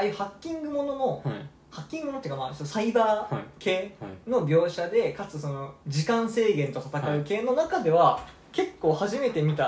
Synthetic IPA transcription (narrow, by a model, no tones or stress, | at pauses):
ajɯ̟ːhakʲːĩŋɡɯ̟mo̞no̞no̞ | hakʲːĩŋɡɯmnt̪ei̟ːkama̰saibaːke̞ːno̞bʲjo̞ːɕad̪e̞kat͡sɨso̞no̞d͡ʑikãɰ̃se̞ːɡẽ̞nt̪o̞t̪at̪akaɯ̟ke̞ːno̞nakad̪e̞β̞a | ke̞kːo̞ːhaʑime̞t̪e̞mʲit̪a